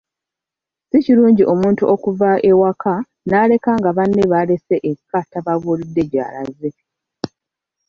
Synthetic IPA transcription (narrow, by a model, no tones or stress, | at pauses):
siciɾuːɲɟiʔo̞muːntuʔo̞kuvaʔe̞wakʰa | naːle̞kaːŋɡaβanːeβale̞se̞ʔekːataβaβuːlidːe̞ɟa̰ːla̰ze̞